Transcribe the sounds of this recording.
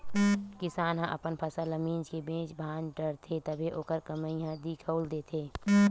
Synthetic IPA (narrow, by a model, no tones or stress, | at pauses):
kɪsaːnɦə̃ʔə̰pənpʰəsaləmiːd͡ʒkebẽːt͡ʃbʱaːnʈəɾt̪ʰet̪əbʱeʔoːkəɾkəməiɦə̃d̪ikʰəʊld̪eːt̪ʰeː